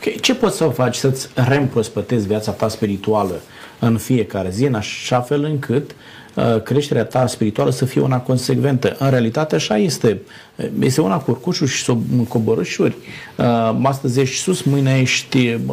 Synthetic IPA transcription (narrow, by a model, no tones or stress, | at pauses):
okʲet͡ʃe̞po̞t̪sʲsəfat͡ʃʲsət̪sʲre̞ɨmpɾo̞spət̪e̞zʲviat̪sat̪aspiɾit̪ualə | ɨnfije̞kaɾe̞ziɨnaʃafe̞lɨŋkʰɨt̪ | kɾe̞ʃt̪e̞ɾeat̪aspiɾit̪ualəsəfije̞unako̞nse̞ɡve̞nt̪əʔɨnɾe̞alit̪at̪eaʃaje̞st̪e̞ | jest̪eunakurkuʃuʃi̥soɨko̞boɾɨʃurʲ | əas̬t̪əzʲjeʃt̪ʲsusmɨjnejeʃt̪ʲ